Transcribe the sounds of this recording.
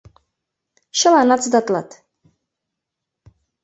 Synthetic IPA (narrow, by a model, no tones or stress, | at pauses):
ʃəlanat̪t͡sʰd̪at̪ʼlat̪ʰ